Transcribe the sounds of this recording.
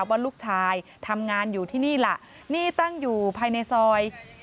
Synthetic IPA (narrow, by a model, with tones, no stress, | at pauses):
wbaː˧˦luː˥˩k̚t͡ɕʰaː˧jt̪ʰa˧mŋaː˧njuː˨˩t̪ʰiː˥˩niː˥˩la˧˩ʔ | niː˥˩t̪a˥˩ŋjuː˨˩pʰaː˧jna˧jsɔː˧j